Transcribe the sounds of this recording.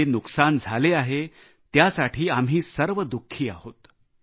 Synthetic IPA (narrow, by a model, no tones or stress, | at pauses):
enuksand͡zʱaleaɦe | t̪jasaʈʰiːamɦiːsəɾʋəd̪ukʰːiːa̰hot̪